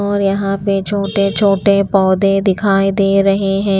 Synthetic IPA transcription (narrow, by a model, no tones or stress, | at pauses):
ɔːɾjɐɦãpet͡ʃʰoːʈet͡ʃʰoːʈepɔːd̪ẽd̪ɪkʰaːid̪eːɾɐɦeɦɛ̃ː